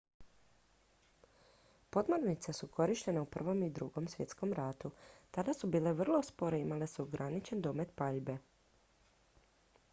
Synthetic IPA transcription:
po̞d̪moɾnit̪sesukʰo̞ɾiʃt̪e̞neupr̩ʋo̞mid̪ɾuɡo̞msʋje̞t̪sko̞mɾat̪ut̪ad̪asubiːleʋr̩lˠo̞spo̞ɾeimalesuɡɾʔanit͡ʃe̞nd̪omet̪paʎbe̞

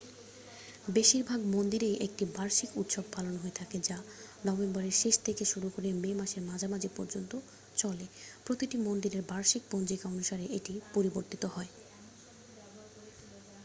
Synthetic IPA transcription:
beʃiɾbʱaɡmond̪iɾejʔek̚ʈibaɾʃikut̪ʃobpalonɦoet̪ʰaked͡ʑa | nɔbembɔɾeɾʃeʃt̪ʰekeʃuɾukoɾememaʃeɾmad͡ʑʱamad͡ʑipɔɾd͡ʑont̪o | t͡ɕɔlepɾot̪iʈimond̪iɾeɾbaɾʃik̚bond͡ʑikaonʃaɾeeʈipoɾiboɾt̪it̪oɦɔe

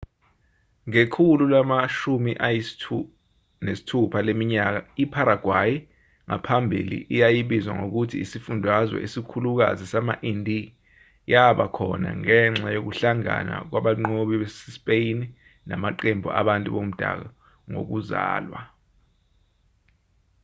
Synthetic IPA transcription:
ŋekʰululamaʃumiʔaj | nesi̥tʰupʰalemiɲak̬aipʰaɾaɡ̥ʱwaji | ŋa̰pʰambʱḭlḭʔijajiɓizwa̰ŋok̬utʰiːsifundʱwazwɛ̰ʔesikʰuluk̬a̰zisamaʔindʱi | jaɓakʰɔna̰ŋɛŋ͡ǁajok̬uɬaŋa̰na̰k̬wʔaɓaŋ͡ǃoɓiɓesɛspʼejini | namaǃembʱuʔa̰ɓantʼuɓom̩d̥ʱa̰k̬a | ŋo̰k̬uza̰ːlwa̰

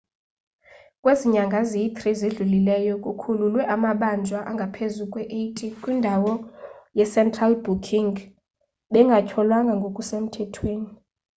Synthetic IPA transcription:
kʼweziɲaŋɡʱazit̪ʰʼrizeɮulilɛjɔkʼukʰululwɛʔamaɓand͡ʒʱwaʔaŋɡʱapʰezukʼwɛʔetʼikʼwindʱawɔjɛsɛntʰʼralbukʰiŋ | ɓɛŋɡʱacʰɔlwaŋɡʱaŋɡʱokʼusem̩tʰɛtʰweːni

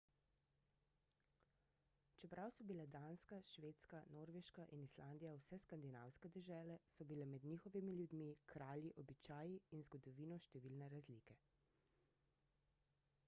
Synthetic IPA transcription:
t͡ʃɛpɾʔawsɔbilɛd̪aːnskaʃʋeːt̪skanoːɾʋeʃkaʔinislaːnd̪ijawsɛskand̪ina̰ːwskɛd̪ɛʒɛːlɛsɔbilɛmɛd̪nixɔʋimiljud̪mikɾaːljiʔɔbit͡ʃaːjiinzɡɔd̪ɔʋiːnɔʃt̪ɛʋilnɛɾazlikɛ

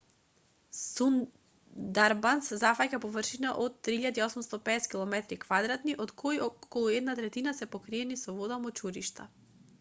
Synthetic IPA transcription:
sun | d̪aɾbanszafacapɔvr̩ʃinaʔot̪ːɾiiʎad̪iɔsumst̪ɔpɛːskilˠɔmɛt̪ɾikvad̪ɾat̪niʔɔt̪kʰojkɔlˠuɛd̪nat̪ɾɛt̪inasɛpokɾiɛnisɔvɔd̪amɔt͡ʃuɾiʃt̪a

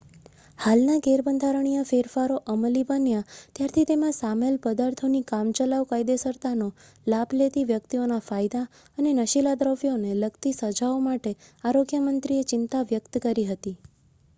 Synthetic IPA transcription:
halnaɡeɾbənd̪ʱaɾəɳ̃ijãfeɾfaɾoʔəməlibənjãt̪jaɾt̪ʰit̪emãsamelpəd̪aɾt̪ʰonikamt͡ʃəlaʋkajd̪esəɾt̪ano | labʱlet̪iʋjəkt̪ionafajd̪a | ənenəʃilad̪ɾəʋjoneləɡt̪isəd͡ʒaomaʈeaɾoɡjəmənt̪ɾiet͡ʃɪnt̪aʋjəkt̪kəɾiɦət̪i

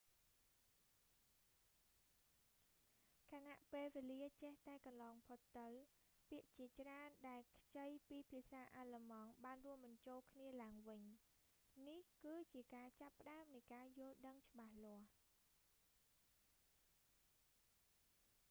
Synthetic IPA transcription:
kʰanaʔpeːlʋeːliət͡ɕeht̪aɛkɑnlɑːŋpʰot̪ːɨw | piəʔt͡ɕiət͡ɕraənɗaɛlkʰt͡ɕəjpiːpʰiəsaːʔaːləmɑŋɓaːnruəmɓɑɲt͡ɕoːlkʰniəlaəŋʋɨɲ | nihkɨːt͡ɕiəkaːt͡ɕapːə̆ɗaəmnɨjkaːjʊ̆əlɗəŋt͡ɕə̆ɓahlŏəh

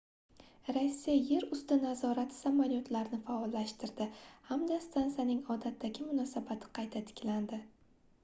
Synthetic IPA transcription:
ɾasːijaje̞ɾʊst̪ɪnazɒɾat̪ʰɪ̥samaljot̪ʰlaɾnɪfaɒlːaʃt̪ɪɾd̪ɪhamd̪ast̪ansijanɪŋɒd̪at̪ʰːaɡʲɪmʊnɒsabat̪ʰɪ̥qʰɑjt̪ʰat̪ʰɪ̥kʲʰland̪ɪ

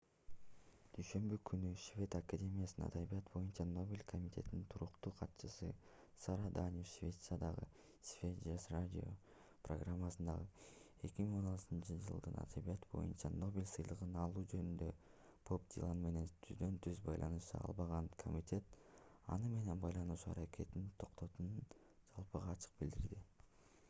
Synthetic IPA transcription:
d̪̥yjʃø̞mbykʰynyʃvʲe̞t̪akadʲe̞mʲijasɑ̰d̪aβijat̪bo̞junt͡ʃɑno̞bʲilʲkʰo̞mʲit̪ʲʰe̞t̪inint̪ʰuɾuqt̪uːqʰɑt̪ʃɯsɯ | sɑɾɑd̪anʲefʃvʲe̞t̪sɨjad̪ɑʁɯ̰ | svʲed͡ʒesradʲio̞̰ | pro̰ɡramːasɯnd̪ɑʁɯ | e̞kʲimiŋo̞nɑlˠt̪ɯnt͡ʃɯd͡ʒɯ̰lˠd̪ɯnɑ̰d̪aβijɑt̪bo̞̰jṵnt͡ʃɑno̞bʲilʲsɯjlˠɯʁɯnɑlˠuːd͡ʒø̞nynd̪ø̞ | pʰo̞pd̪ʲḭlˠanme̞ne̞nt̪ʰyzd̪ø̞nt̪ʰyzbɑjlˠʔɑ̰nɯʃt̪ɑ̰ɑ̰lˠβɑʁɑnkʰo̞̰mʲitʲe̞t̪ | ɑ̰nɯme̞ne̞nbɑjlˠɑnuːʃuaɾakʲʰe̞t̪int̪ʰo̞qt̪ʰo̞t̪unɯn | d͡ʒɑlˠpɯʁɑːt͡ʃʰɯ̥q̚bild̪iɾd̪i

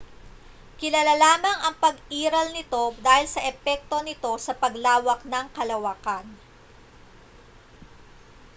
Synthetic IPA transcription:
kɪlaːlalaːmɐŋʔɐŋpɐɡʔiːɾɐlnɪt̪o̞d̪aːhɪlsɐʔɛpɛk̚t̪o̞nɪt̪o̞sɐpɐɡlaːwɐk̚nɐŋkɐlɐwakan

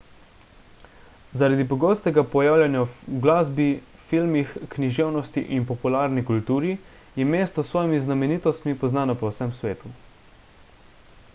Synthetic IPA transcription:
zaɾad̪ipɔɡɔːst̪ɛɡapɔjaːwlʲjanjaɡlaːzbi | filmixkniʒewnɔst̪iʔinpɔpulaːɾnikult̪uːɾi | jɛmeːst̪ɔsʋɔːjmiznamɛniːt̪ɔst̪mipɔznaːnɔpɔwsɛmsʋeːt̪u

